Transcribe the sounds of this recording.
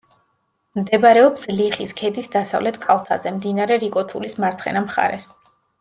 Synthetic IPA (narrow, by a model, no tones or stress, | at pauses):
md̪ɛbɾɛɔbzliχiskʰɛd̪isd̪asa̰vlɛt̪ʰkʰʼalˠt̪ʰa̰zɛmd̪inaɾɛɾikʼɔt̪ʰulismaɾt̪sʰχɛ̰namχa̰ɾɛs